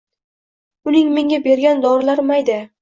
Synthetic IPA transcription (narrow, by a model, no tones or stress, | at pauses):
ʊnɪŋme̞ŋʲabe̞ɾɡʲand̪ɒɾlaɾmajd̪ɪ